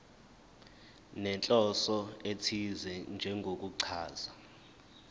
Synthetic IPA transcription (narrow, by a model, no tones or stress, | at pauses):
nɛnt͡ɬʼɔsɔetʰizɛnd͡ʒʱɛŋɡʱok̬ʼuǀʰaːza